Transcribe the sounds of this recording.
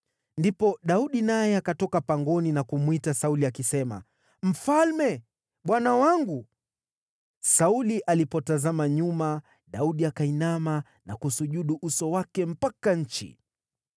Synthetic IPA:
ndipɔɗauɗinajɛakatɔkapaŋɡɔninakumwitasauliakisɛma̰ | m̩falmɛ | ɓwanawaŋɡu | sauliʔalipɔtazamaɲuma | ɗauɗiakainama | na̰kusuʄuɗuʔusɔwakɛm̩pakaɲ̩t͡ʃḭ

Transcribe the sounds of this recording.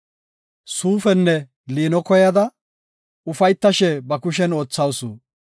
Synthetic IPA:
suːfɛnːɛ | liːnɔkɔjɐd̪ɐ | ʊfɐjt̪ːɐʃɛbɐkʊʃ̬ɛnoːt͡sːɐwsṵ

